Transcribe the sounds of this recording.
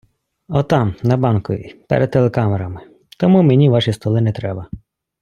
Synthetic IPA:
ɔt̪ɑmnɐbɑnkʊ̰ʋʲḭpɛ̰ɾʔɛd̪̚t̪ːelˠekɑmɛɾɐmɪ | t̪ɔmumenʲiʋɑʃist̪ɔlˠɪnɛt̪ɾɛbɐ

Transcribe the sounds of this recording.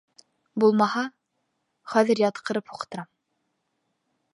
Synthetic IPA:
bulˠmɑhɑ | χæðɘ̆ɾjɑt̪qʰɤ̆ɾɤphuqt̪ɤ̆ɾɑm

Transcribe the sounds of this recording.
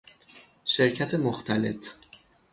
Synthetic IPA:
ʃe̞ɾcʰæt̪ʰemoxt̪ʰæle̞t̪

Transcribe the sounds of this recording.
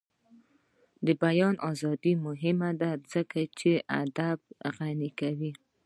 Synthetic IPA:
d̪əbajɑnʔɑzɑd̪imʊɦɪmad̪azəkat͡ʃeʔad̪ab̚ɣanikawi

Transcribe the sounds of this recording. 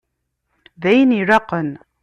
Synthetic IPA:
ðæjniɾɑqən

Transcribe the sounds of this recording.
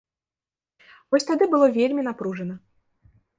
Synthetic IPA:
vɔsʲt̪ad̪ɨbɨlˠɔvʲelʲmʲinapɾuʐɨnə

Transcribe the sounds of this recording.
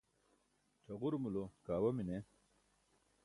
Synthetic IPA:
t͡ɕʰɐʁuɾmulokaːwɐmine

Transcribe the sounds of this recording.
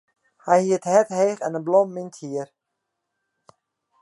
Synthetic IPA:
hɛjhiətɦɛtheːxɛnənblɔmːinthiər

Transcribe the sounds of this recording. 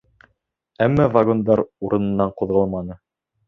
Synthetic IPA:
æmːævaɡo̞nd̪ɑɾuɾɤ̆nɤ̆nːɑɴqŏðʁɤlˠmɑnɤ

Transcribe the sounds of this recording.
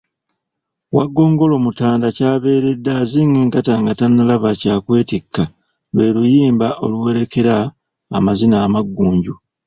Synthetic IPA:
waɡːo̞ːŋɡo̞lo̞ːmutaːndacaːβe̞ːɾe̞dːaziŋɡeːŋkataŋɡatanːalaβacaːkwe̞ːtikːa | βwe̞ːlujiːmbaʔo̞̰luwe̞ɾe̞ke̞ɾaː | mazinaːmaɡːuːɲɟu

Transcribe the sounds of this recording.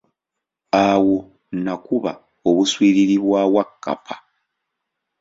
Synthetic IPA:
awo̞ | nakuβa | oβuswiːɾiɾiβwaːwakːa̰pʰḁ

